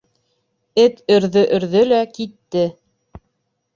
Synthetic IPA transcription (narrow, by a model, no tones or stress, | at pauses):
ɘt̪ɵ̆ɾðɵʔɵ̆ɾðɵlækit̪ːɘ